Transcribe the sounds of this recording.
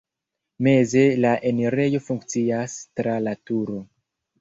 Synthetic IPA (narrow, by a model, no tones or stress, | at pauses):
me̞ze̞laʔeneɾejo̞fuŋkt͡siastɾalatuɾo̞